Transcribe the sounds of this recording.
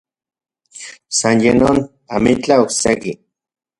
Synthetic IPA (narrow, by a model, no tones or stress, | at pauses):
sanjenon | amit͡ɬaokseki